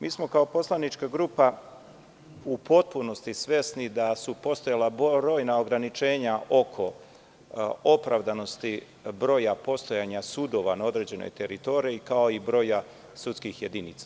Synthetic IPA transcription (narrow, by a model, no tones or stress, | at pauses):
miːsmo̞kao̞po̞slˠanit͡ʃkaɡɾuːpa | upo̞t̪̚puno̞st̪isʋje̞snid̪asupo̞st̪o̞jalabɾo̞ːjnao̞ɡɾanit͡ʃe̞ːɲaʔo̞kʰo̞ | o̞pɾavd̪ano̞st̪i | bɾo̞ːjapo̞st̪o̞jaɲasud̪o̞ʋanao̞d̪ɾe̞ːd͡ʑeno̰jt̪e̞ɾit̪o̞ɾiekao̞ibɾo̞ja | sut̪skixje̞d̪init̪sḁ